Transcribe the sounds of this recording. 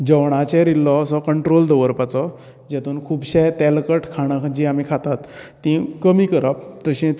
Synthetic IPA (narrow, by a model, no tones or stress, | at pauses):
d͡ʑəwɳ̃at͡ɕɛ̃ɾilːɔəsɔkəɳʈɾold̪əʋəɾpat͡sɔ | d͡ʑɛt̪uːnkʰuːbɕɛjt̪ɛlkəʈʰkʰaɽ̃əd͡ʑiamikʰat̪at̪ː | ĩkəmikəɾap̚t̪əɕẽ